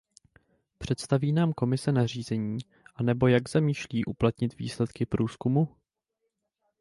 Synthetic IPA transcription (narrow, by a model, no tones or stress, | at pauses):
pr̝̥ɛt̪st̪aviːnaːmko̞mɪsɛnar̝iːzɛɲiː | ʔanɛbo̞jaɡzamiːʃliːʔuplat̪ɲɪt̪vḭːslɛt̪kɪpɾuːskumu